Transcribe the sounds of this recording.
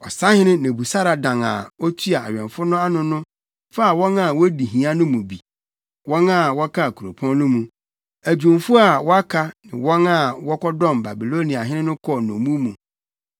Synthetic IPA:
ɔ̰˨sa˦hɪ̃˦nɪ̃˦nɪ̃˨bu˨sa˦ɾa˨dã˨ŋa̰˨ɔ˦tʰi˦a˨a̰˨ɥᶣɛ̃˨ɱfʊ˦nʊ̃˦a˦nʊ̃˦nʊ̃˦ | fa˦a˨wɔ̃˦na˨wɔ˦di˨ɦĩ˨a˦nʊ̃˦mũ˨bi˨ | wɔ̃˦na˦˨wɔ˦kʰa˦˨kʰu˨ɾo˨pʰɔ̃˦n˦nʊ̃˦mũ˨ | æ˨d͡ʑᶣũ˨mfʊ˦a˨wɔ˦a˦kʰa˦nɪ̃˨wɔ̃˦na˦˨wɔ˦kʰɔ˦dɔ̃˦˨mba˨bi˨lo˦nĩ˨a˨ɦɪ˦ɪ̃˦nʊ̃˦kʰɔ˦nɔ̰̃˨mũ˦mũ˨

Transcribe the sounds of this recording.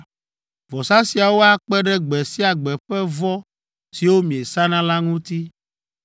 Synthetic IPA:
vɔ˨sa˦si˨a˨wo˦a˦k͡pɛ˦ɖɛ˦ɡ͡bɛ˨si˦a˨ɡ͡bɛ˨ɸɛ˦vɔ˦ | si˨wo˦mĩ˨e˨sa˦nã˦la˦ŋũ˦t̪i˦

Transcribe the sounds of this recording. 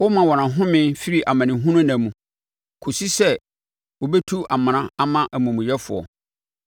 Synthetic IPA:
wɔ˦mã˨wɔ˨nã˨ɦʊ̃˦mɪ̃˦nfi˦ɾi˦˨ʔa˨mã˨nɪ̃˨ɦũ˦nʊ̃˦nã˨mũ˨ | kʰo˨si˦sɛ˦ | wo˨bɛ˦tʰu˦a˨mã˨nã˦a˦mã˦ʔæ˨mũ˨mũ˨jɛ˦fʊ̰˨ɔ̰˨

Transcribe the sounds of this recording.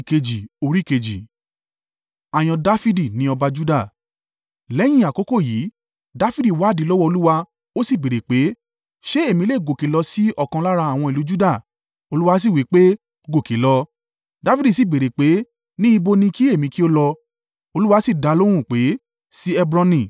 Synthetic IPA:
i˨ke˧d͡ʒi˨o˧ɾi˦˨ke˧d͡ʒi˨ | a˨j̃ɔ̃˧da˦fi˦di˦˨nĩ˨˦ɔ˧ba˧d͡ʒu˦da˦˨ | lɛ˨˦j̃ĩ˦a˨ko˨˦ko˦˨jiː˨˦ | da˦fi˦di˦˨wa˨˦˨di˨˦lɔ˦wɔ˧o˧lu˦wa˧ | o˦si˦˨be˨ɾe˨k͡pe˨˦ | ʃe˦e˦˨mĩ˧le˦˨ɡo˨ke˨˦lɔ˧si˦ɔ˦˨kã˧la˦ɾa˧a˨w̃ɔ̃˧i˨lu˨˦d͡ʒu˦da˦˨ | o˧lu˦wa˧˦s̬i˦˨wi˨˦k͡pe˦ | ɡo˦˨ke˨˦lɔ˧ | da˨˦fi˦di˦˨si˦˨be˨ɾe˨k͡pe˨˦ | nĩ˦i˧bo˧nĩ˧ki˦e˦˨mĩ˧ki˦o˦lɔ˧ | o˧lu˦wa˧si˦˨da˨˧lo˦w̃ũ˦˨k͡pe˨˦ | si˦ɛ˦bɾã˧nĩ˦˨

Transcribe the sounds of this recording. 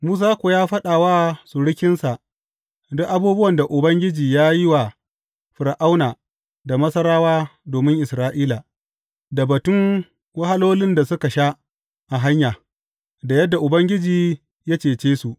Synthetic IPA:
muː˦s̬aː˦kʷoː˨jaː˦ɸɐ˦ɗaː˨waː˦su˨ɽɪ˦kʲɪ˦nsa˨ʔ | dʊ˦ʔa˦buː˦bʊ˦wɐ˨nda˨ʔʊ˨bɐ˦ŋɡʲɪ˦d͡ʒiː˨jaː˦ji˦wa˨ | ɸʊ˨ɾa˨ʔa˦wnaː˨ | da˨mɐ˦sɐ˦ɾaː˦waː˦doː˨mɪ˦ŋʔɪ˨sɾaː˦ʔiː˦la˨ | da˨bɐ˨tʊ˦ŋ | wɐ˦ha˦loː˦lɪ˦nda˨sʊ˦ka˨ʃa˦ | ʔa˨ɦa˦ɲjaː˨ | da˨jɐ˦dːa˨ʔʊ˨bɐ˦ŋɡʲɪ˦d͡ʒiː˨ | ja˦t͡ʃeː˨t͡ʃeː˦su˨ʔ

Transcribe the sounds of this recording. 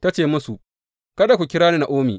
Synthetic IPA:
ta˦t͡ʃeː˨mʊ˦su˨ | kɐ˦da˨kʷu˨kʲɪ˦ɾaː˦ni˦na˨ʔoː˦mḭː˨

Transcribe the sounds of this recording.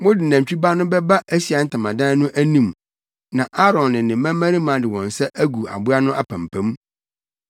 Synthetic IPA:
wʊ̃˦dɪ˨næ̃˨m˨t͡ɕᶣi˦ba˦nʊ̃˦bɛ˦ba˦ʔæ˦si˨a˨˦n̩˦tʰã˨mã˨dã˦nʊ̃˦ʔæ˦nĩ˨m | nã˨ʔa˦ɾɔ̃˨nːɪ̃˨nɪ̃˨mæ̃˦mæ̃˦ɾi˦mã˨˦dɪ˨wɔ̃˨n˨sɛ˦ʔæ˦ɡu˨a̰˨bʊ˦a˦nʊ̃˦ʔa˦pʰæ̃˨m˨pʰæ̃˦m

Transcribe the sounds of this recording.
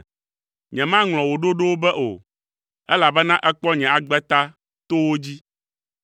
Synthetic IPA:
ɲɛ̃˨mã˦ŋlɔ̃˨wo˨ɖo˦ɖo˦wo˦bɛ˦ʔo̰˨ | ɛ˦la˨bɛ˦nã˦ʔɛ˦k͡pɔ˦ɲɛ̃˨a˨ɡ͡bɛ˦t̪a˦ | t̪o˦wo˦d͡ʑi˦

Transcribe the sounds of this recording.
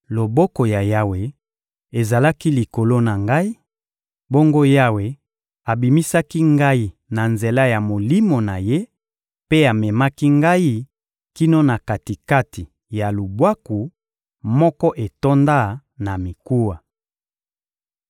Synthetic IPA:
lo˨bɔ˦ko˨ja˨ja˦we˨ | e˨za˨la˦ki˦li˨ko˨lo˦na˨ŋɡa˦i˦ | bo˦ŋɡo˦ja˦we˨ | a˨bi˨mi˦sa˦ki˦ŋɡa˦i˦na˨nze˨la˦ja˨mo˨li˦mo˨na˨je˦ | pe˦a˨mɛ˨ma˦ki˦ŋɡa˦i˦ | ki˦no˦na˨ka˨ti˨ka˦ti˨ | ja˨lu˨bwa˦ku˨ | mɔ˦kɔ˦ʔe˨to˦nda˦ | na˨mi˨ku˦wa˨

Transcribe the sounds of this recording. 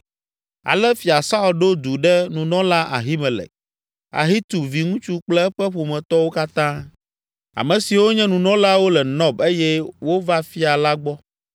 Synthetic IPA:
a̰˨lɛ˦fi˨a˨sa˦u˨lɖo˦d̪u˨ɖɛ˦nũ˨nɔ̃˦la˦ʔa̰˨ɦi˦mɛ˨lɛ̰˨k̚ | a̰˨ɦi˦t̪u˨vi˨ŋũ˦t͡ʃu˦k͡plɛ˦ɸɛ˦ɸo˨mɛ̃˨t̪ɔ˦wo˦ka˦t̪ã˦ | a̰˨mɛ̃˨si˨wo˦ɲɛ̃˦nũ˨nɔ̃˦la˦wo˦lɛ˨nɔ̃˦be˦jɛ˦wo˦va˦fi˦a˨la˦ɡ͡bɔ˦

